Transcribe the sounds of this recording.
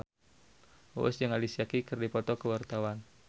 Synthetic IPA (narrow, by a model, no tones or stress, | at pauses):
o̰sd͡ʒəŋalisiakikərdipɔt̪ɔkəwart̪awan